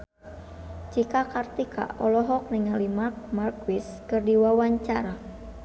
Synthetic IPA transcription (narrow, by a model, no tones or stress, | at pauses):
t͡ʃikakart̪ikʰa̰ʔɔlɔɦɔk̚nɪŋalimark̚markwiskɨrdiwawaɲt͡ʃaɾa